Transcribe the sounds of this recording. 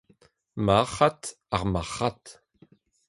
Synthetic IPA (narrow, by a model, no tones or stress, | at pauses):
maχat | aʁmaχat